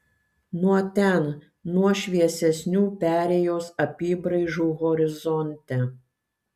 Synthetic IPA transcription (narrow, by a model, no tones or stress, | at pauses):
nuɔt̪ʲɛˑn | nuɔʃʲʋʲiɛsʲɛsʲnʲuːpʲæːɾʲeːjoːsɐpʲiːbɾɐɪʒuːɣɔɾʲɪzɔnʲt̪ʲɛ